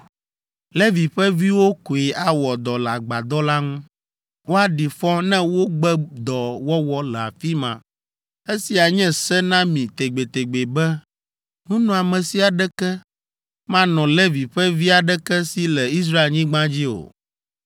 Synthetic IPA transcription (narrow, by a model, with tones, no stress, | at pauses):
le˦vi˨ɸɛ˦vi˦wo˦ko˨e˨ʔa˨wɔ˨d̪ɔ˨lɛ˨a˨ɡ͡ba˨d̪ɔ˦la˦ŋũ˦ | wo˦a˦ɖi˨fɔ˦nɛ̃˦wo˦ɡ͡bɛ˦d̪ɔ˨wɔ˦wɔ˦lɛ˨a̰˨fi˦mã̰˨ | e˦si˨a˨ɲɛ̃˦sɛ˦nã˦mĩ˨t̪e˨ɡ͡be˨t̪e˨ɡ͡be˨bɛ˦ | ŋũ˦nɔ̃˨a˨mɛ̃˨si˦a˨ɖɛ˦kɛ˦ | mã˦nɔ̃˨le˦vi˨ɸɛ˦vi˦a˨ɖɛ˦kɛ˦si˦lɛ˨i˦s̬ɾa˦e˨ɲĩ˦ɡ͡bã˦d͡ʑi˦o̰˨